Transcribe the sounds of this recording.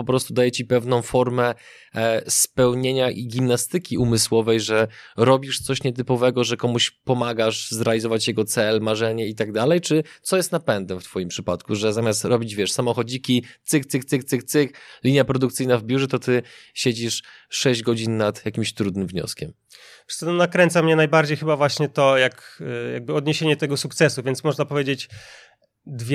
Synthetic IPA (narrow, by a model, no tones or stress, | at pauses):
pɔpɾɔst̪ud̪ajɛt͡ɕipɛvnɔ̃w̃fɔɾmɛ | spɛwɲeɲaʔiɡʲimnast̪ɘkʲiumɘswɔvɛjʐɛɾɔbʲiʂt̪sɔɕɲɛt̪ɘpɔvɛɡɔʐɛkɔmuɕpɔmaɡaʂzɾɛalʲizɔvat͡ɕjɛɡɔt̪sɛlmaʐɛɲɛit̪aɡ̚d̪alɛjt͡ʂɘt̪sɔjɛst̪napɛnd̪ɛft̪fɔjimpʂɘpat̪kuʐɛzamʲjast̪ɾɔbʲid͡ʑvʲjɛʂsamɔxɔd͡ʑikʲit̪sɘkt̪sɨk̚t̪sɘkt̪sɘk̚t̪sɘklʲiɲjapɾɔd̪ukt̪sɘjnavbʲjuʐɛt̪ɔt̪ɘɕed͡ʑiʂʂɛʑd͡ʑɡɔd͡ʑinːat̪jakʲimɕt̪ɾud̪nɘmvɲɔ̰skʲɛm | pʂɛ̥sɛnnakɾɛnt̪samɲɛnajbaɾd͡ʑejxɘbavwaɕɲɛt̪ɔjakja̰ɡ̚bɘɔd̪ɲeɕeɲɛt̪ɛɡɔsukt̪sɛsuvʲjɛnt̪smɔʐnapɔvʲjed͡ʑet͡ɕ | d̪vʲ